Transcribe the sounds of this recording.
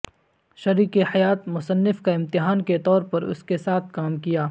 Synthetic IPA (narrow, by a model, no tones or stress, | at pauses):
ʃɐɾiːkehɐjaːt̪mʊsənːɪfkaɪ̃mt̪ɪɦaːnket̪ɔːɾpɐɾʊ̰skesaːt̪̚ʰkaːmkijaː